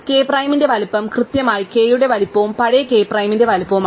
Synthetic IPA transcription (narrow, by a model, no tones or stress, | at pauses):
ke̞ːpraːjminde̞ʋɐlipːɐmkrɨt̪jɐmaːjike̞ːjuɽe̞ʋɐlipːɐʋumpɐɽɐjke̞ːprɐjminde̞ʋɐlupːɐʋum